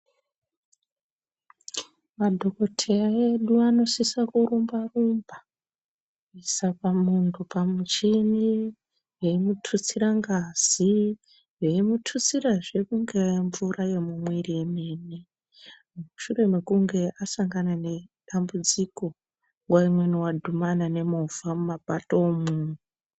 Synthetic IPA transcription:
madʱo̞ko̞tʰeraeɗuano̞sisakuɾumbarumba | isapamuntʰupamut͡ʃini | jeimutʰut͡siɾaŋɡaːz̥i | jeimutʰut͡siɾaʐe̞kuŋɡeɱvuraje̞mumweriemeːni | muʃure̞mekuŋɡe̞ʔasaŋɡanane̞ɗambud͡ziko̞ | waimweniwadʱumanane̞movamumapatomunu

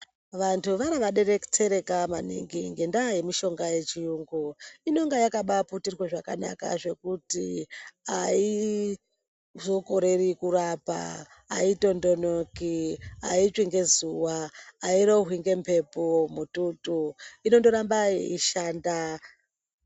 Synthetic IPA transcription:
ʋantʰuʋaɾaʋaɗe̞ɾeku̥t͡se̞ɾe̞kamanḭŋɡiŋɡe̞ndaje̞miʃo̞ŋɡaje̞t͡ʃijuːŋɡuino̞ŋɡajakaɓaputirweʐaka̰na̰ka̰ʐe̞kutiai | zo̞koɾe̞rikuɾapa̰ | a̰ito̞ndo̞nokiait͡ʂwiŋɡe̞zuwaːiɾoɦwiŋɡe̞mpʰe̞pomututuino̞ndo̞ɾambaḛiʃaːnda

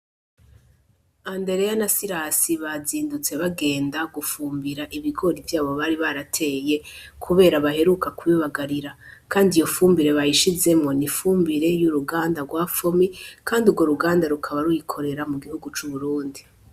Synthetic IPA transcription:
ande̞ɾe̞janasiɾasiβaziːndut͡se̞βaɡe̞ːndaɡufuːmbiɾaʔiβiɡo̞ɾivjaːβo̞βaɾiβaɾatʰe̞ːje̞kʰuβe̞ːɾaβahe̞ɾukakuβiβaɡaɾiɾakaːndijo̞fuːmbiɾe̞βajiʃize̞mŋo̞nifuːmbiɾe̞juɾuɡaːndaɡwaːfomikaːndiuɡwo̞ɾuɡaːndaɾukʰaβaɾujikʰo̞ɾe̞ɾamuɡihuɡut͡ʃuβuɾuːndi

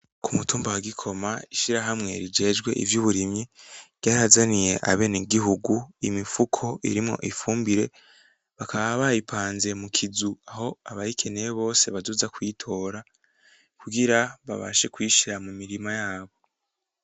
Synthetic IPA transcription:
kʰumutuːmbawaɡikʰo̞maiʃiɾaɦamŋe̞̰ɾid͡ʒe̞ːd͡ʒɡwe̞̰ʔḭvjuːβuɾimɲiɟ̥aːɾazanije̞̰ʔa̰βe̞niɡiɦuɡuimifukʰo̞ʔḭɾimŋo̞̰ʔifuːmbiɾe̞ | βakʰaβaβajipʰaːnze̞mukʰizuaɦo̞aβaikʰe̞nejeβo̞ːse̞βazuzakwiːtʰo̞ːɾa | kuɡiɾaβa̰βa̰ʃe̞kwiːʃiɾamumiɾimajaːβo̞

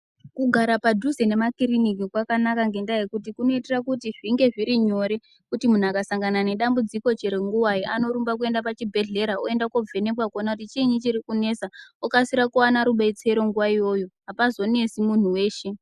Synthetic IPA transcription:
kuɡʱaɾapaduzene̞makirinik̬ikwakanakaŋɡe̞ndajekutikuno̞iterakutiʐiŋɡe̞ʐiɾiɲo̞ɾe̞ | kutimun̤uakasaŋɡanane̞ɗambud͡ziko̞t͡ʃeɾeŋɡuwaiʔano̞ɾumbak̬ue̞ndapat͡ʃibʱe̞ɮe̞ɾaoe̞ndakob͡vʱe̞ne̞kwakonakutit͡ʃiɲit͡ʃirikune̞saokasiɾakuwanaɾuɓait͡seɾo̞ŋɡuʋaijo̞joɦapazo̞ne̞simun̤uwe̞ːʃe̞

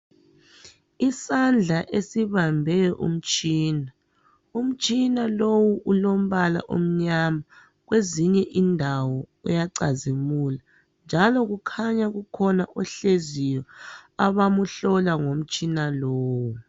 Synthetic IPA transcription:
isand͡ɮʱaʔesiβambʱɛjɔʔṵm̩t͡ʃʼiːna | um̩t͡ʃʼinalowuʔulom̩βala̰ʔo̰m̩ɲama | ɣweziɲɛʔindʱawɔujaǀazimula | nd͡ʒʱalɔɣukʰaɲaɣukʰɔnaʔɔɬezijɔaβamuɬɔlaŋom̩t͡ʃʼinaloːwu

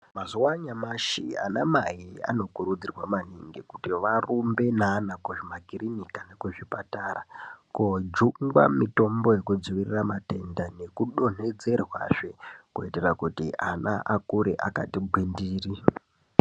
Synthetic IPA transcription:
mazuwaɲamaʃḭa̰namajia̰no̞kuɾud͡zirwamaniŋɡiku̥tiʋarumbe̞naːnakwoʐimaɡʱirinikanakweʐipatarakod͡ʒuŋɡwa̰mito̞mbo̞jekud͡ziʋiriramate̞ndane̞kuɗo̞n̥e̞d͡ze̞rwa̰ʐekuiterakutiʔanaʔakuɾeʔa̰ka̰tibʱwindiːri

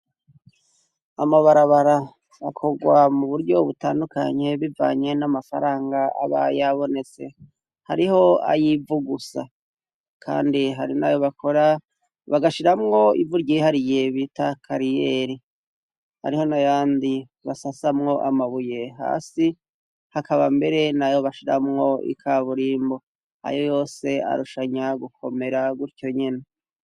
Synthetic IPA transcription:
amaβaɾaβaɾa | akʰo̞ɡwamuβuɾɟo̞βutaːnduka̰ɲe̞βiva̰ːɲe̞namafa̰ɾaːŋɡaa̰βa̰jaβo̞ne̞t͡se̞̰ | haɾiho̞a̰jivuɡusa̰ | kʰa̰ːndiɦaɾinajoβakʰo̞ɾa | βaɡaʃiɾamŋo̞ḭvuɾɟihaɾije̞βitakʰaɾijeɾi | ha̰ɾiho̞najaːndi | βasasamŋo̞ʔamaβujeɦa̰ːsi | hakaβambe̞ɾe̞najo̞βaʃiɾa̰mŋo̞ḭkʰaβuɾiːmbo̞ | ha̰jojo̞ːse̞a̰ɾuʃaɲaɡukʰo̞̰me̞ɾaɡuɾco̞ɲene

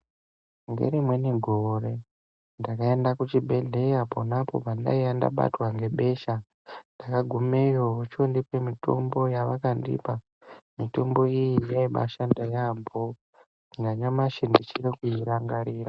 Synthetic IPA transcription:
ŋɡe̞̰ɾimwe̞neɡʱoɾe̞ | ndakaendakut͡ʃibʱe̞ɮe̞japonapo̞̰panda̰ianda̰ɓa̰twaŋɡe̞ɓe̞ʃa | ndakaɡʱumejout͡ʃondipemito̞̰mbo̞jaʋakandḭpa | mito̞mbo̞ijineiɓa̰ʃandajambo | ndaɲamaʃindit͡ʃirekuiɾaŋɡaɾiːra

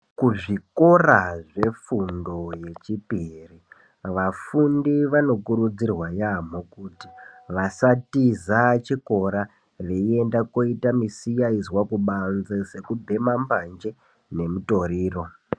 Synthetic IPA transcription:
kuʐiko̞raʐe̞fundo̞je̞t͡ʃipiri | ʋafundiʋano̞kuɾud͡zirwajam̤okuti̥ʋasatizat͡ʃiko̞ɾa | ʋe̞ie̞ndako̞itamisijaizwakuɓanzese̞kubʱe̞mamband͡ʒe̞ | ne̞muto̞ɾiːro̞

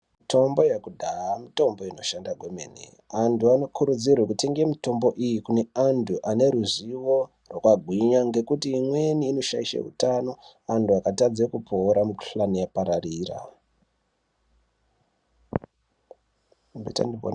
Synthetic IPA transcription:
mitʰo̞mbo̞jakudʱaamito̞mbo̞ino̞ʃandaɡʱomḛnḛ | antuano̞kʰuɾud͡zirwekutʰe̞ŋɡemito̞mbo̞ʔijikune̞anduʔane̞ɾuziwo̞ | rwokwaɡʱwiɲaŋɡe̞kutiːmwe̞niːno̞ʃaiʃa̰ɦṵtano̞ | anduakatad͡zekupʰo̞ːɾamukɬlanijapaɾariːra̰ | bʱita̰nibo̰n

